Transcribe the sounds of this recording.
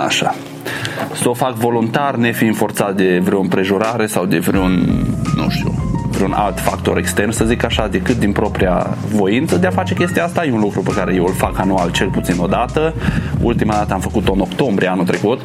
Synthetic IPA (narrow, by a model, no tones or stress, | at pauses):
a̰ʃa | səofakvo̞lunt̪arne̞fiɨnfo̞rt̪sat̪̚d̪e̞vɾeoompɾe̞ʒuɾaɾe̞sawd̪e̞vɾeunnṵ̃ʃt̪ṵvɾeuna̰lt̪fakt̪o̞ɾe̞kst̪e̞rnsəzikaʃad̪e̞kɨt̪̚d̪inpɾo̞pɾija̰ | vo̞int̪səd̪eafat͡ʃe̞kʲe̞st̪ijaast̪ajeunlukɾupekaɾe̞je̞wɨlfakanualt͡ʃe̞lput̪sino̞d̪at̪əṵlt̪imad̪at̪əamfəkut̪ono̞kt̪o̞mbɾijeanut̪ɾe̞kut̪